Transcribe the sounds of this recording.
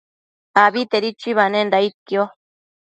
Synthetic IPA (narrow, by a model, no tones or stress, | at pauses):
aβit̪eɾit͡ʃiβanendait̪̚kjo